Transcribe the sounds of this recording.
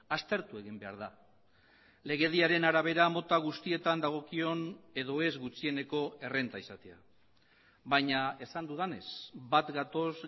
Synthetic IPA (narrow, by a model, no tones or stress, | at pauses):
ast̪e̞ɾt̪ue̞ɣimbe̞a̰ɾða | le̞ɣ̞e̞ðiaɾe̞naɾaβ̞e̞ɾamo̞t̪aɣ̞ust̪ie̞t̪and̪aɣ̞o̞kio̞ne̞ðo̞e̞zɣut͡sie̞neko̞e̞re̞nt̪aisat̪e̞a̰ | βajɲae̞sand̪uð̞ane̞sbat̪ɡat̪o̞z